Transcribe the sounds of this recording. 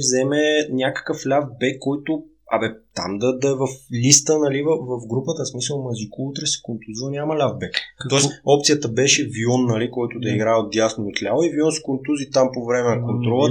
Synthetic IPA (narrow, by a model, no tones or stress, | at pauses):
vzɛmɛnʲakə̥kəflʲavbɛkːɔjt̪ʊ | ɐ̰bɛt̪a̰md̪ɐd̪ɐɛvɐflʲist̪ənɐlivəvɐfɡɾupət̪əsmisəlˠmɐzikout̪ɾɛsɛ̥kont̪uziənʲamɐlʲavbɛkt̪ɔɛsɔp̚t̪sijət̪əbɛʃɛviɔnːɐlikɔjt̪ʊd̪ɐiɡɾaɛot̪̚d̪ʲjasnoot̪lʲavˠoiviɔnskont̪uzit̪ampovɾɛmɛnɐkont̪ɾɔlˠə